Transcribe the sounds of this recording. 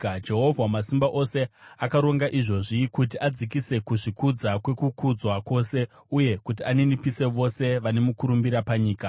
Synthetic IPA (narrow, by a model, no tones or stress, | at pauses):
d͡ʒe̞ɦo̞vʱwamasimbaʔo̞se̞akaɾo̞ŋɡaʔiʐo̞ʐiikut̬iʔad͡zikise̞kuʐikud͡zakwe̞kukud͡zwako̞se̞ | uje̞kut̬ianinipise̞ʋo̞se̞ʋane̞mukuɾumbiɾapaɲiːka